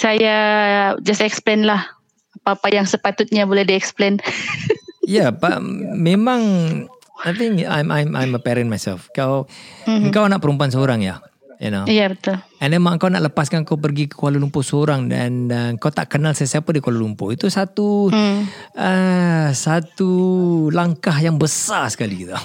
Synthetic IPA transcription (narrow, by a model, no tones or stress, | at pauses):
sajad͡ʒasɛksplenlah | apaːpajaŋsəpat̪ʊt̪̚ɲabolɛhdiɛksplen | japa̰memãŋ | ajt̪ɪŋa̰jmʔa̰jmʔa̰jməpɛɾənmajsɛ̰lfkawəŋkawanaʔ̚pəɾump̬uansəoɾaŋja̰ | jḭnojabət̪ʊlɛndɛmaʔəŋkawna̰ʔləpaskanəŋkawp̬ərɡikəkualulumpʊsəoɾaŋdɛ̰nəəŋkawt̪aʔkənalsəsiapadikualulumpo̰it̪usat̪u | əsat̪ulaŋkahjaŋbəsasə̥kalit̪a